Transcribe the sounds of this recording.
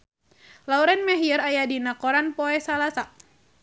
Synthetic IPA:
lauɾɛnmɛɦiəɾajadinakɔɾanpɔɛsalasa

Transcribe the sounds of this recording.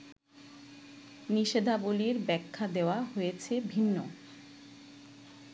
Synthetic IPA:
niʃed̪ʱaboliɾbɛkʰːad̪eoaɦojet͡ɕʰebʱinːo

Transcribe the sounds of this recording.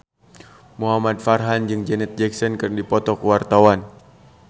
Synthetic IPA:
muɦamadfarɦand͡ʒɨŋd͡ʒɛnɛt̪̚d͡ʒɛksɔnkɨrndipɔt̪ɔkuwart̪awan

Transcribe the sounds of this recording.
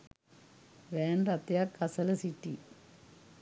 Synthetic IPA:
ʋeːnɖɐt̪jakːɐsɐlɐsitːi

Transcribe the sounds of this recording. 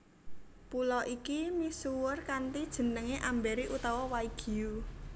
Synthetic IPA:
pulɔʔikimisuwərkant̪id̥ʒ̥ə̤nəŋeʔambɛɾiʔut̪ɔwɔwaiɡ̥i̤u

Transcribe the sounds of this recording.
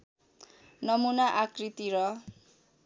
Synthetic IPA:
nʌmunaʔakrit̪iɾʌ

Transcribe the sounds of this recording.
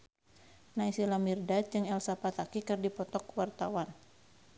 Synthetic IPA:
naisilamirdat̪̚d͡ʒɨŋɛlsapat̪akikɨrdipɔt̪ɔkwart̪awan

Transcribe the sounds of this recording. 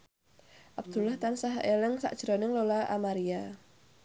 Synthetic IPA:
ʔab̚d̪̥ṳlaht̪ansaɦelɪŋsa̰ʔd̥ʒ̥ɾonɪŋlolaʔa̰maɾia

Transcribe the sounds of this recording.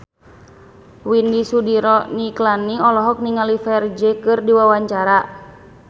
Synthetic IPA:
windisudiɾɔniklaniɔlɔɦɔk̚niŋalifɛrd͡ʒɛkɨrdiwawaɲt͡ʃaɾa

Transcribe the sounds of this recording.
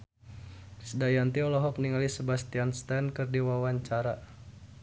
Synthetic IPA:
sədajant̪iɔlɔɦɔk̚niŋalisəbast̪ianst̪ɛnkɨrdiwawaɲt͡ʃaɾa

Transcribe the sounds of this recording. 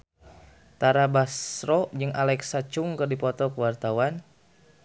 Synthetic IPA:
t̪aɾabasɾɔd͡ʒɨŋalɛksat͡ʃuŋkɨrdipɔt̪ɔkəwart̪awan

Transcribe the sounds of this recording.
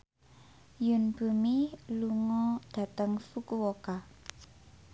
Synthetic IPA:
jʊnb̥ṳmiluŋɔɖ̥ä̤t̪əŋsukuwoka

